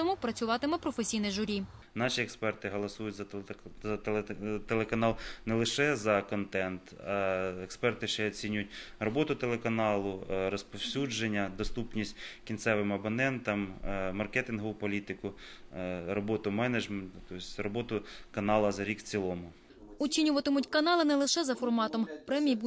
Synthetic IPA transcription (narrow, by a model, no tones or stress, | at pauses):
t̪ɔmupɾɐt͡sʲʊʋɑt̪ɪmɛpɾɔfesʲijnɪʒʊɾʲi | nɑʃʲiɛkspɛrt̪ɪɦɔlˠɐsujʊtʲzɐzɐt̪t̪elˠekɐnɑlˠnɛlˠɪʃɛzɐkɔnt̪ɛnt̪ɐɛkspɛrt̪ɪʃt͡ʃɛɔt͡sʲinʲʊjʊt̚ʲrɔbɔt̪ʊt̪elˠekɐnɑlˠʊrɔspɔwsʲud͡ʒenʲːɐd̪ɔst̪upnʲisʲtʲkʲinsɛʋɪmɐbɐnɛnt̪ɐmmɐrkɛt̪ɪnɦɔʋʊpɔlʲit̪ɪkʊ | ɾɔbɔt̪ʊmɛnɐd͡ʒment̪ʊt̪ɔsʲrɔbɔt̪ʊkɐnɑlˠɐzɐɾʲikt͡sʲilˠɔmʊ | ʊt͡ʃʲinʲʊʋɐt̪ɪmʊtʲkɐnɑlˠɪnɛlˠɪʃɛzɐfɔrmɑt̪ɔmpɾɛmʲijbu